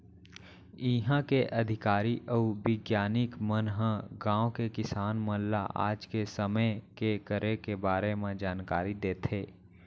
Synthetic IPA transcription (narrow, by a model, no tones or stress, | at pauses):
ɪɦãkeʔɐd̪ʱɪkaːɾiʔɔːʋɪɡjaːnɪkmənɦə̃ɡãːõkekɪsaːnmə̃lla̰ʔa̰ːd͡ʒkesəməkekəɾekebaːɾemẽd͡ʒaːnkaːɾid̪eːt̪ʰeː